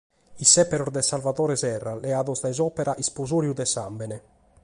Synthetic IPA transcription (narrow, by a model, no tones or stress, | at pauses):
isɛpɛɾɔɾd̪ɛsalvat̪ɔːɾɛsɛrːalɛaːðɔzd̪ajzɔːpɛɾaʔispozoːɾjud̪ɛsambɛnɛ